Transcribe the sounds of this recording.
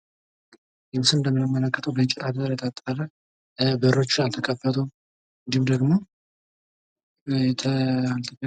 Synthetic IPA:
jɛmsɨɨnd̪əmːɨnəmːələkːət̪ʰəwbəɲt͡ʃʼɛt̪ʰʼad̪əɾjɛt̪ʼat̪ʼːalə | bəɾo̞t͡ʃːɪnalt̪ʰəkʰʼəfət̪ʰə | ɨnd̪ihumd̪əɡmo̞ | t̪ʰəalt̪ʰəkə

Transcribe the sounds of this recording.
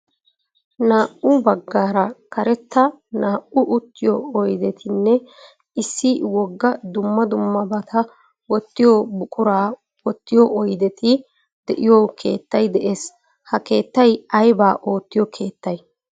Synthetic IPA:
naːʔʊbɐɡːaːɾɐkɐɾɛt̪ːɐ | naːʔʊʔʊt̪ːɪjɔɔjd̪ɛt̪ʰɪnːɛ | ɪsːɪwɔɡːɐd̪ʊmːɐd̪ʊmːɐbɐt̪ʰɐ | wɔt̪ːɪjɔbʊkʼʊɾaː | wɔt̪ːɪjɔʔɔjd̪ɛt̪ʰɪ | d̪̥ɛʔɪjoːkʰe̞̰ːt̪ːɐjd̪ɛʔe̞ːs | hɐke̞ːt̪ːɐjɐjbaːʔo̞ːt̪ːɪjɔkʰe̞ːt̪ːɐj

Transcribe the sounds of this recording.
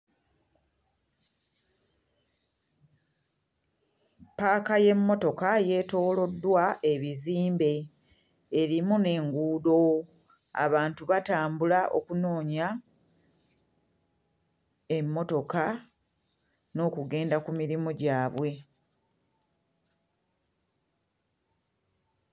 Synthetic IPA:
paːkaje̞mːo̞to̞kaje̞ːto̞ːlo̞dːwae̞βiziːmbe̞ː | ɾimune̞ŋɡuːdo̞ | a̰βaːntuβataːmbulaʔo̞̰kuno̞ːɲa | emːo̞to̞ka | no̞ːkuɡe̞ːndakumiɾimoɟaːβwe̞

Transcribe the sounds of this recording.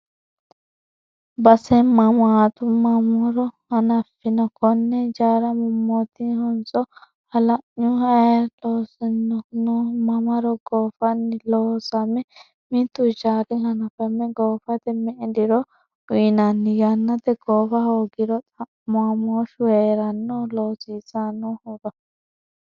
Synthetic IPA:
bɐsɛmɐmʊat̪ʊmɐmɔɾɔhɐnɐfːɪnɔkʰɔnːɛd͡ʒaːɾɐmʊmːɔt̪ɪhɔnt͡sʼɔ | hɐlɐʔːʊhɐjloːsɛnːɔnʊmɐmɐɾɔɡoːfɐnːɪloːsɐmːɛ | mɪt̪ːʊt͡ʃaːɾɪhɐnɐfɐmːɛɡoːfɐt̪ɛmɛʔɛd̪ɪɾɔ | ʊnɐnːɪɡɐnːɐt̪ɛɡoːfɐhoːɡɪɾɔt̪ʼɐ | mʊɐmoːʃweːɾɐnːɔloːsiːsanːɔhɔɡ̪ɐ

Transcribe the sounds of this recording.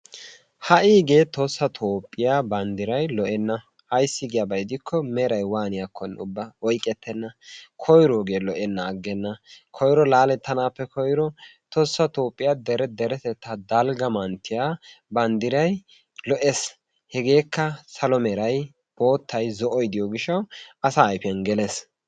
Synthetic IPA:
hɐʔiːɡe̞ːt̪osːɐt̪ʰoːpʼːɪjaːbɐnd̪ɪɾɐjlɔʔɛnːɐ | hɐjsːɪɡɪjabɐjd̪ɪkʰːɔmɛɾɐjwaːnɪjakʰːɔnːʊbːɐɔjkʼːɛt̪ʰːɛnːɐkʰɔjɾoːɡe̞ːlɔʔɛnːɐːɡːɛnːɐkʰɔjɾɔlaːlɛt̪ːɐnaːpːɛkʰɔjɾɔ | t̪ɔsːɐt̪oːpʼːɪjad̪ɛɾɛd̪ɛɾɛt̪ɛt̪ːad̪ɐlɡɐmɐnt̪ːɪjaːbɐnd̪ɪɾɐj | lɔʔɛs | hɛɡe̞ːkːɐsɐlɔmɛɾɐj | b̥o̞ːt̪ːɐjzɔʔɔjd̪ɪjɔɡɪʃːɐwɐsaːjfɪjɐnɡɛles

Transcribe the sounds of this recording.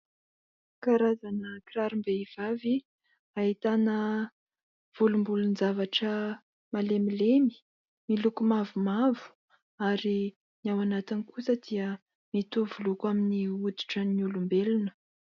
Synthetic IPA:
kaɾazanəkiɾaɾumbeiv̥avi | aɦit̪anə | v̥ulumbulunzavaʈ͡ʂə | malemilemi̥ | milukumavumavu̥ | aɾi | nawanat̪inikusəd̪̥iə | mit̪uvulukwaminiud̪u̥ʈ͡ʂəniulumbelunə̥

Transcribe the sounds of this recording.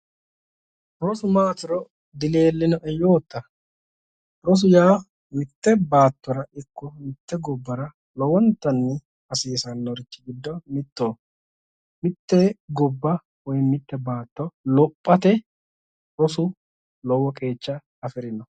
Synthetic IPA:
ɾɔsʊmaːt̪ɪɾɔ | d̪ɪleːlːɪnɔʔɛjoːt̪ːɐ | ɾɔs̬ʊjaː | mɪt̪ːɛbaːt̪ːɔɾɐɪkːɔmɪt̪ːɛɡɔbːɐɾɐ | lɔwɔnt̪ːɐnːɪ | ɐsiːsɐnːɔɾɪt͡ʃːɪɡɪd̪ːɔmɪt̪ːoː | mɪt̪ːɛɡɔbːɐ | wɔjmɪt̪ːɛbaːt̪ːɔlɔpʼːɐt̪ɛ | ɾɔsʊ | lɔwɔkʼe̞ːt͡ʃːɐ | ɐfɪɾɪnɔ

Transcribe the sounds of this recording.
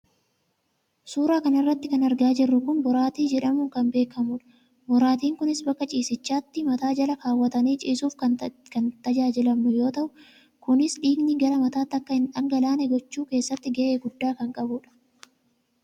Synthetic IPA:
suːɾaːkɐnɪrːɐt̪ːɪkɐnɐɾɡaːd͡ʒɪrːʊkʊnbɔɾaːt̪iːd͡ʒɛᶑɐmʊːkɐmbe̞ːkʰɐmʊᶑɐ̥ | bɔɾaːt̪iːŋkʊnɪsbɐkːɐt͡ʃʼiːsɪt͡ʃːaːt̪ːɪmɐt̪aːd͡ʒɐlɐkaːwːɐt̪ɐniːt͡ʃʼiːsuːfkɐkɐnt̪ɐd͡ʒaːd͡ʒɪlɐmːʊjo̞ːt̪ɐʔʊ | kʊnɪsᶑiːɡniɡɐlɐmɐt̪aːt̪ːɐkːɐhɪnᶑɐŋɡɐlaːnɛɡɔt͡ʃːuːke̞ːsːɐt̪ːɪɡɐʔeːɡʊd̪ːaːkɐŋkʼɐbʊᶑɐ̥

